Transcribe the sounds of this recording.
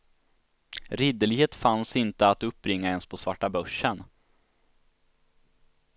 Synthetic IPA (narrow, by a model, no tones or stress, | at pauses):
ɾɪd̪əlɪɡheːt̪fansɪnt̪əat̪ɵp̚ːɾɪŋːaɛnspʰɔsvaʈːabœʂːən